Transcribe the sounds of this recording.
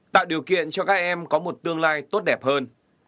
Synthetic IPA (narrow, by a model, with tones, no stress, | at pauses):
t̪a̰ː˧˨wɗi˨˩əwkḭ˧˨ənt͡ɕɔ˧kaː˦˥k̚ʔɛ˧mkɔ˨˦mo˨˩t̚t̪ɨ˧əŋlaː˧jt̪o˦˥t̚ɗɛ˨˩p̚həː˧n